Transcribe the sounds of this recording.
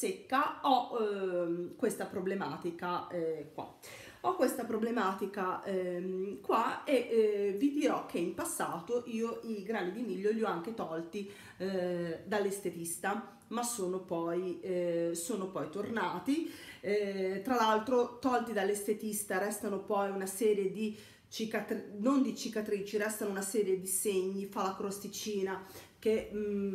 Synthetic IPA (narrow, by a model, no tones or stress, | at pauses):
sekːaɔ | kwest̪apɾoblema̰ːt̪ikakwa̰ | ɔkːwest̪apɾoblemaːt̪ika | kwaevid̪iɾɔk̟ːeimpasːaːt̪oʔiːoʔiɡɾaːnid̪imiʎːoʎiɔaŋk̟et̪ɔlt̪i | d̪alːest̪et̪ist̪a | masːoːnopɔj | soːnopɔjt̪ornaːt̪i | t̪ɾalalt̪ɾot̪ɔlt̪id̪alːest̪et̪ist̪aɾɛst̪anopɔjunasɛːɾjed̪i | t͡ʃikat̪ɾinond̪it͡ʃikat̪ɾiːt͡ʃirɛst̪anounasɛːɾjed̪iseɲːifalakɾost̪it͡ʃiːnak̟e